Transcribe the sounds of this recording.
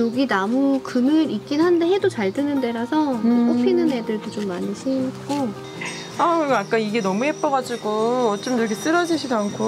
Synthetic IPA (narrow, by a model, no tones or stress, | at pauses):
oɡinamukɯnɯɾik͈inɦandeɦe̞dot͡ɕaɭdɯnɯnde̞ɾasʰʌk͈opʰinɯne̞dɯɭdot͡ɕomːaniɕʰink͈o | akɯɾik͈ajak͈aniɡe̞nʌmuɦep͈ʌɡad͡ʑiɡoʌt͡ɕ͈omtɾekʰes͈ɯɾʌd͡ʑiɕʰidoankʰo